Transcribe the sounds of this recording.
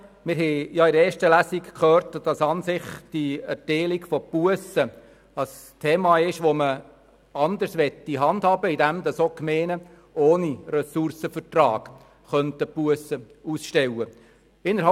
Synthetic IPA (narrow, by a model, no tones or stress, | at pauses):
mɪɾɦɛjɑɪdɾəɛːʃtəlæsikkʰχøːɾtd̥ɑsɑnsɪχd̥iæɾteːliɡfɔpuəsə | ɑs | tʰeːmɑːɪʃʋomə | ɑnd̪əɾsʋɛt̪ːiɦɑnd̥̪hɑːbəid̪æmd̪ɑsokmeːnə | oːniɾɛsʊrsəfətrɑːɡ̥ | χœntəpuəsə | usʃtɛwə | ɪnːəɾɦɑ